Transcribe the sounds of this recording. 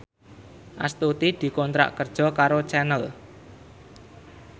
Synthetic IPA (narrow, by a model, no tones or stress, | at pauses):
ʔast̪ut̪id̪̥i̤kɔnt̪ɾa̰ʔkərd̥ʒ̥ɔ̤kaɾot͡ʃɛnəl